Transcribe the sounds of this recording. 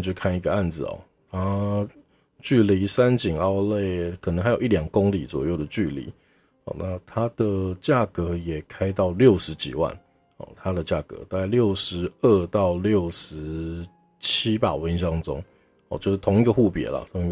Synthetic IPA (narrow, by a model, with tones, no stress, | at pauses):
t͡ɕjo˥˧kʰa˥˩ni˧˥ɡə˧a˥˩nd͡zɹ̩˨˩ɔ̰˩ | t̪ʰa˥ | t͡ɕy˥˩li˧˥sa˦nt͡ɕi˨˩ŋɑ˥˧ʊle˥˩ɪkʰə˨˩˧ŋxa˧˥ɪjo˨˩˦i˥˩ljɑ˨˩ŋkʊ˦ŋlḭ˨˦t͡swɔ̰˨˩jo˥˩ʊd̪ə˩t͡ɕy˥˨˩lḭ˧˨˦ | ɔ̰˨˩na˥˧t̪ʰa˥d̪̥ə˨t͡ɕja˥˩kɤ˧˦jɛ˨˩kʰa˥ɪt̪ɑ˥˩ʊljo˥˩ʊʂɻ̩˧˥t͡ɕḭ˨˩wa̰˥˩n | ɔ̰˨˩t̪ʰa˦d̪ə˨t͡ɕja̰˥˩kɤ̰˧˦ta˥˧ɪljo˥˩ʊʂɻ̩˧˥ə˥˧t̪ɑ˥˧ʊljo˥˩ʊʂɻ̩˧˦ | t͡ɕʰi˥pa̰˥˩we˧˥nɕ̬ɑ˥ŋʈ͡ʂʊ̰˥ŋ | ɔ̰˨˧t͡ɕjo˥˧ʊʂ̩˥˩t̪ʰʊ˧˥ŋi˧˥ɡə˧˦xu˥˩pjɛ̰˧˥lɐ̰˨t̪ʰʊ˧˥ŋi˧˥ɡ